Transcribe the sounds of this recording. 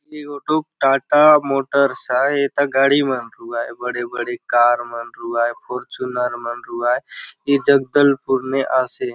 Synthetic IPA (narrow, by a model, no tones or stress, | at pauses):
liɡoːʈuk̚ʈaːʈamoːʈəɾsaet̪aɡaːɽimənɾuaːebəɽebəɽekaːɾmənɾuaːepʰoɾt͡ʃunaɾmənɾuaːeid͡ʒəɡd̪əlpʊɾneʔaːse